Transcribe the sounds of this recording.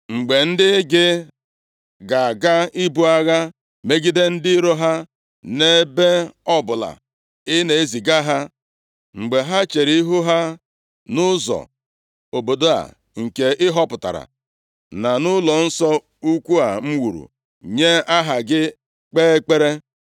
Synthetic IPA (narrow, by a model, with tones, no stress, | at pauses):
ŋ͡m̩˨ɡ͡be˨n̩˦dɪ˦ɡɪ˦ | ɡa˨a˨ɡa˦i˦bu˦a˦ɣa˦ | me˦ɡi˦de˦n̩˦dɪ˦ɾo˦ɦa˦ | ne˦be˦ɔ˦bʊ˨la̰˨ | ɪ˦ne˨e˦zi˨ɡa˦ɦa˦ | ŋ͡m̩˨ɡ͡be˨ɦa˦t͡ʃe˨ɾi˦i˦ɦu˦ɦa˦ | nʊ˦zɔ̰˨ | o˨bo˨do˦a̰˨ | ŋ̩˨ke˨ʔɪ˦ɦɔ˦pʊ˨ta̰˨ɾa̰˨ | na˨nʊ˦lɔ˨n̩˦sɔ˦ | u˦kʷu˦a˨ŋ͡m̩˦wu˨ɾṵ˨ | ɲe˦a˦ɦa˨ɡɪ˦ | k͡peː˦e˦k͡pe˦ɾe˦